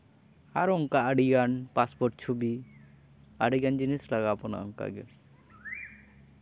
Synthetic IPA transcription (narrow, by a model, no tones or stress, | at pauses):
aɾɔŋkaʔəɖiɡanpaspɔɾʈ̚t͡ʃʰubi | aɖiɡand͡ʒinislaɡapɔna̰ʔɔŋka̰ɡɛ